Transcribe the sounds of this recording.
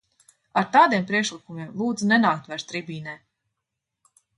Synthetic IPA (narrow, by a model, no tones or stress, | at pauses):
aɾt̪aːd̪iɛmpɾiɛkʃlˠikumiɛmlˠuːd̪zunɛnaːk̚t̪væɾt̪ɾibiːnɛː